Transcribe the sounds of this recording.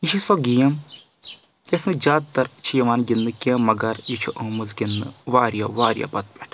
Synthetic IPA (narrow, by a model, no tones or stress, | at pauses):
iʃʰisɔɡijɐm | kʲesɨ̃d͡ʒaːd̪t̪ɐɾt͡ʃʰijɐʋaːnɡʲinːɨkʲẽːmɐɡɐɾjit͡ʃʰuʔoːmɨzɡʲinːɨ̰ʋaːɾjaʋaːɾja̰ːpɐt̪̚pʲɛʈʰ